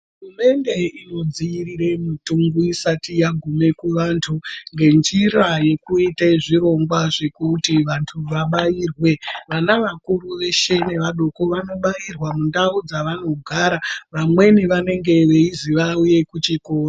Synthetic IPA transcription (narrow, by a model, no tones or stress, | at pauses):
ɦurume̞nde̞ino̞d͡ziirire̞mutuŋɡuisatijaɡʱume̞kuʋaːntʰuŋɡe̞nd͡ʒiraje̞kuiteʐiɾo̞ŋɡwaʐe̞kutiʋantʰuʋaɓajiːrwe̞ʋanaʋakuruʋe̞ʃe̞ne̞ʋaɗo̞ko̞ʋano̞ɓajirwamundaud͡zaʋano̞ɡʱaɾaʋamwe̞niʋane̞ŋɡe̞ʋe̞iziʋauje̞kut͡ʃikoːna